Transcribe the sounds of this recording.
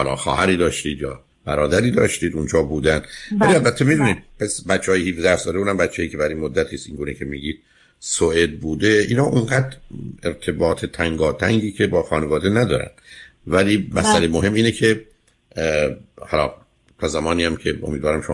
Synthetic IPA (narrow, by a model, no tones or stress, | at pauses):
hɒlɒ̰ːxɒ̰ːhæɾiːd̪ɒːʃt̪iːd̪jɒː | b̥æɾɒːd̪æɾiːd̪ɒ̰ːʃt̪iːd̪und͡ʒɒːbuːd̪ænd̪væliælbæt̪ʰːemid̪uːniːd̪̚pʰæsbæt̪t͡ʃːeɒːjehiːfd̪æɾsd̪ɒːd̪ebuːd̪æmbæt̪t͡ʃʰːejiːcʰe̞bæɾinmod̪ːæt̪ʰiːst̪iŋɡuːnecʰe̞miːɟiːd̪̥ | soʔed̪̚buːd̪e̞ʔḭːnhɒːʔuŋɡæːd̪ɾeɾt̪ʰe̞bɒːt̪ʰet̪ʰæŋɡɒːt̪ʰæŋɟiːcʰe̞bɒːxɒːnevɒːd̪enæd̪ɒ̰ːɾæ̰n | væliːmæsælejmoɦe̞mːiːnecʰe̞ | hɒlɒ̰ː | t̪ʰɒːzæmɒːniːjæmcʰe̞o̞̰miːd̪vɒːɾæmʃom